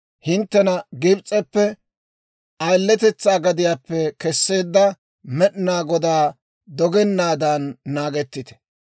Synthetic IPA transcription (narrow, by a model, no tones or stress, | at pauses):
hɪnt̪ːɛnɐɡɪbt͡sʼːɛpːɛ | ʔɐjlːɛt̪ɛt͡sːaːɡɐd̪ɪjaːpːɛkɛsːe̞ːd̪ːɐ | mɛɗɪnaːɡɔd̪aː | d̪ɔɡɛnːaːd̪ɐnːaːɡɛt̪ːɪt̪ɛ̥